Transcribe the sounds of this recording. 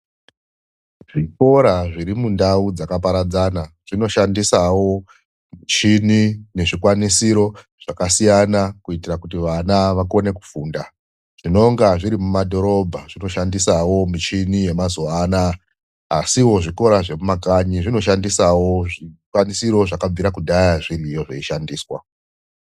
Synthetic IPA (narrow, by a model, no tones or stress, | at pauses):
ʐiko̞ɾaʐiɾimundaud͡zakapaɾad͡zana | ʐ̥ino̞ʃandisawo̞ | mit͡ʃinine̞ʐikwanisiɾo̞ | ʐ̥akasijanakuitirakutiʋanaʋako̞ne̞ku̥fuːnda | ʐ̥ino̞ŋɡaʐiɾimumadʱo̞ɾo̞bʱaʐino̞ʃandisawo̞mit͡ʃinije̞mazuanaː | siwo̞ʐiko̞ɾaʐe̞mumakaɲiʐino̞ʃandisawo̞ʐikwanisiɾo̞ʐakab͡viɾakuɗajaʐirijo̞ʐeiʃandiːswa̰